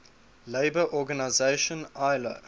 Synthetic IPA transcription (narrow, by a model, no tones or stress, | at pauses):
leɪbəʔɔɡanaɪzeɪʃə̃naɪlə̰